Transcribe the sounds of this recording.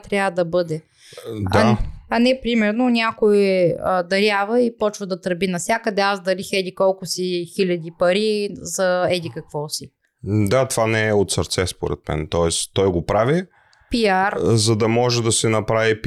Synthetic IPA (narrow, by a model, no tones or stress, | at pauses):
t̪ɾʲjavəd̪ɐbɤd̪ɛ | d̪aɐnɛpɾimɛɾnonʲakoɛəd̪ɐɾjavəipɔt͡ʃvɐd̪ɐt̪ɾbinɐfsʲjakəd̪ɛazd̪ɐlixɛd̪ikɔlˠkʊsixilʲɐd̪ipɐɾizɐɛd̪ikɐkv̥ɔsi | d̪at̪ovanɛɛot̪səɾt̪sɛspoɾɛ̰t̪mɛ̰nt̪ɔɛst̪ɔjɡopɾavi | piaɾzɐd̪ɐmɔʒɛd̪ɐsɛnɐpɾavip